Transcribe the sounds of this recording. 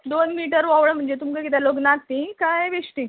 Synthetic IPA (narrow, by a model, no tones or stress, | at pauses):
d̪onmiʈəɾʋɔʋɭəm̤əɳd͡zet̪umkəkit̪aloɡnat̪ːikajʋeʂʈi